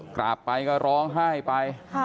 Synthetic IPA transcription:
kɾa̰˨˩pːa˧jkɔː˥˩ɾɔː˦˧˥ŋɦaː˥˩jpa˧j

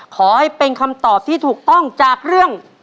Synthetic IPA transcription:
kʰɔː˩˦ha˦˥˩jpe˧nkʰa˧mt̪ɔː˨˩p̚t̪ʰiː˥˩t̪ʰuː˨˩k̚t̪ɔ˥˩ŋt͡ɕaː˨˩k̚ɾɯ˥˩əŋ

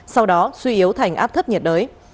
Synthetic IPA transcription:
sa˧wɗɔ˨˦swi˧ʔi˨˦əwt̪ʰa˨˩jŋ̟ʔa̰ː˦˥p̚t̪ʰə˦˥ɲi˨˩t̚ɗəː˨˦j

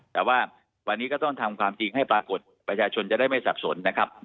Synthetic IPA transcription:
t̪ɛː˨˩waː˥˩ | wa˧nːiː˦˥kɔ˥˩t̪ɔ˥˩ŋt̪ʰa˧mkʰwaː˧mt͡ɕi˧ŋha˥˩jpɾaː˧ko˨˩t̪̚pɾa˧t͡ɕʰaː˧t͡ɕʰo˧nt͡ɕa˨˩daː˥˩jma˥˩jsa˨˩p̚so˩˦nːa˦˥kʰɾa˦˥p̚

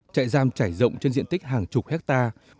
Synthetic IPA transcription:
t͡ɕa̰ː˧˨jzaː˧mt͡ɕaː˧˩jzə̰˧˨wŋ͡mt͡ɕe˧nzḭ˧˨ənt̪ï˦˥k̟̚haː˨˩ŋt͡ɕʊ˨˩k͡p̚hɛ˦˥k̚t̪aː˧

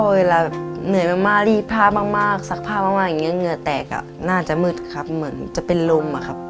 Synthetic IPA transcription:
we˧laː˧bɛ˨˩pnɯ˨˩˦əjmaː˧ŋmaː˧˩liː˧˩pʰaː˧˩baː˧ŋmaː˧˥˩k̚sa˧˥k̚pʰaː˧˩maː˧ŋmaː˧˩k̚ja˨˩ŋːi˧˥˨ŋɯ˧˥˨t̪ɛː˨˩ka̰˧˩ | naː˥˩t͡ɕa˨˩ʔmɯ˧˩t̪̚kʰa˦˧p̚mɯ˩˦nt͡ɕa˨˧˨pe˨nlo˧mʔa̰˨kʰa˦˥p̚

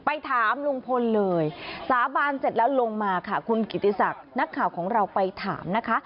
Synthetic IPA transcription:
pa˧jt̪ʰaː˨˩˦mlu˧ŋpʰo˧nlɤː˧jsaː˨˦baː˧nse˨˩t̪̚lɛ˦˥lo˧ŋmaː˧kʰa˥˩kʰu˧nki˨˩t̪ːi˧sa˨˩k̚na˦˥kʰːaː˨˩wkʰɔː˩˦ŋɾa˧wpa˧jt̪ʰa̰ː˩˦mna˦˥kʰa˦˥ʔ

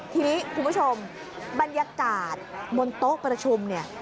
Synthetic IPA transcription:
t̪ʰiː˧niː˦˥kʰu˧mbʰt͡ɕʰo˧m | ba˧njaː˧kaː˨˩t̪̚mo˧nt̪o˦˥ʔpɾa˧t͡ɕʰu˧mni˦˥˩ɐ

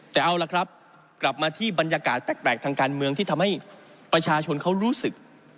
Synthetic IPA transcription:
t̪ɛː˨˩ʔa˧wla˨˩kʰɾa˦˥p̚ | kla˨˩p̚maː˧t̪ʰiː˥˩ba˧njaː˧kaː˨˩t̪̚pɛː˨˩k̚pɛː˨˩k̚t̪ʰaː˧ŋkaː˧nmɯ˧əŋt̪ʰiː˥˩t̪ʰa˧mha˥˩j | pɾa˧t͡ɕʰaː˧t͡ɕʰo˧nkʰa˦˥wɾuː˦˥sɯ˨˩k̚

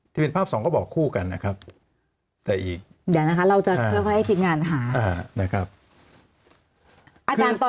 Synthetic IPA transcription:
t̪ʰiː˥˩pe˧npʰaː˥˩p̚sɔː˩˦ŋkɔː˥˩bɔː˨˩kʰːuː˥˩ka˧nːa˦˥kʰɾa˦˥p̚ | t̪ɛ˨˩ʔiː˨˩k̚ | dɛː˨˩˦na˦˥kʰa˦˥ɾa˧wt͡ɕa˨˩˧ɤː˧˩jkʰɔ˥˩ha˥˩jt̪ʰiː˧˩m̚ŋaː˧nɦaː˩˦aː˧˩na˦˥kʰɾa˦˥p̚ | ʔaː˧kʰɯt͡ɕaː˧nt̪ɔ˨

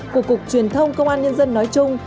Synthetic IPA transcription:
ku˧˨˩əkːʊ˨˩k̚t͡ɕwi˨˩ənt̪ʰə˧wŋ͡mkə˧wŋ͡mʔaː˧nɲə˧nzə˧nːɔ˨˦jt͡ɕʊ˧ŋ͡m

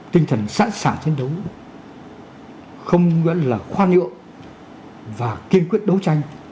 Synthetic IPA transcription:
t̪ï˧ŋ̟t̪ʰə˨˩nsa̰ː˧˥nsaː˧˩nt͡ɕe˧nɗə˨˦w | xə˧wŋ͡mwə̰˧˥nlaː˨˩xwaː˧nɨ̰˧˨əŋ | vaː˨˩ki˧ənkwi˦˥ət̚ɗə˨˦wt͡ɕa˧jŋ̟

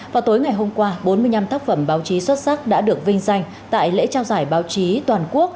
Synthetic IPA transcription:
vvaː˨˩wt̪o˨˦jŋa˨˩jɦo˧mkwaː˧ɓo˨˦nmɨ˧əjɲa˧mt̪ʰaː˦˥k̚fə˧˩mɓaː˨˦wt͡ɕi˨˦swə˦˥t̚sa˦˥k̚ɗa̰ː˧˥ɗɨ˨˩ək̚vï˧ŋ̟za˧jŋ̟ | t̪a̰ː˧˨jlḛ˧˥t͡ɕaː˧wzaː˧˩jɓaː˨˦wt͡ɕi˨˦t̪waː˨˩nku˦˥ək̚

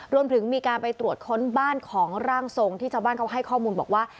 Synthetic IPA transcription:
ɾu˧əmt̪ʰɯ˩˦ŋmiː˧kaː˧npa˧jt̪ɾu˨˩ət̪̚kʰo˦˥nbaː˥˩nkʰɔː˩˦ŋɾaː˥˩ŋso˧ŋt̪ʰiː˥˩t͡ɕʰaː˧wbaː˥˩kʰa˥˩ɦa˥˩jkʰɔː˥˩muː˧nbɔ̰ː˨˩k̚waː˥˩

